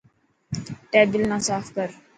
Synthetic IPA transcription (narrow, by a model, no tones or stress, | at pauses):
ʈɛːbilnãsaːfkəɾ